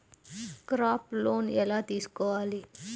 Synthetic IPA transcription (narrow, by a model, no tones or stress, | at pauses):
kɾaːploːnɛlaːt̪iːsu̥kɔːʋaːli